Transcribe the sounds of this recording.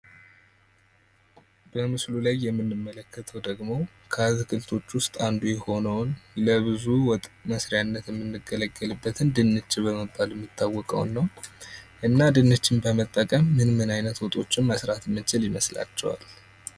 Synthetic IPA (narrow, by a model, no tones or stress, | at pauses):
b̥əmɨslulajːɛmːɨnːɨmːələkːət̪ʰəwd̪əɡmo̞ | kʰəazkʰɨlt̪ʰo̞t͡ʃːwʊst̪ʼand̪ujɛho̞nəwnləβɨzuwɔt̪ʼməsɾɪjanːət̪jɛmːɨnːɨɡːələɡːəlɨbːət̪ʰɨnd̪ɨnːɨt͡ʃːɪβəməbːaljɛmːɪt̪ʰːawːɔkʼə̰w̰nːəwʔɨnːad̪ɨnːɨt͡ʃːɪnbəmət̪ʼːəkʼəmːɨnmɨnajnət̪wɔt̪ʼo̞t͡ʃːɪnməsɾat̪mːət͡ʃɪljɪməsla̰t͡ʃːɛwa̰l